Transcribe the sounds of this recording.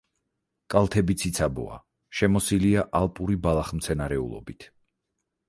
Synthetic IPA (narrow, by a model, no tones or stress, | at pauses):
kʼalˠt̪ʰɛbit̪sʰit̪sʰabɔ̰a̰ | ʃɛmɔsiliaʔalˠpʼuɾibalˠaχmt̪sʰɛnaɾɛṵlˠɔ̰bit̪ʰ